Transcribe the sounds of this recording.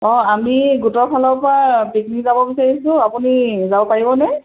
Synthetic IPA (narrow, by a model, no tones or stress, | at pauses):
ɔ̃amiɡutɔpʰalɔpɹapiknikzabɔbisaɹisʊ̃apunizabɔpaɹibɔnɛ